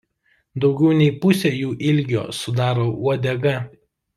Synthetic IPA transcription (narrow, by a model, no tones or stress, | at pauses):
d̪ɒʊɡʲɛʊnʲɛɪpʊsʲeːjuːʔɪlʲɡʲo̰ːsʊd̪ɑːɾoːuɔd̪ʲɛɡɐ